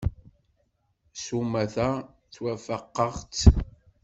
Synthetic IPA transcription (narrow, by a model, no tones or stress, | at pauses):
sumæθæ | θwæfəqːəʁt͡s